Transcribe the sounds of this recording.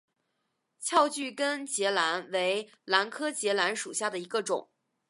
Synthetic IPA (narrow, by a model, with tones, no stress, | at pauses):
t͡ɕʰjɑ˥˧ʊt͡ɕy˥˩kə˥nt͡ɕjɛ˧˥la˧˥nwe˧˥ɪ | la˧˥nkʰɤ˥t͡ɕjɛ˧˥la˧˥nʂṵ˨˩ɕja˥˩d̪ə˩i˧˥ɡə˧ʈ͡ʂʊ̰˨˩˦ŋ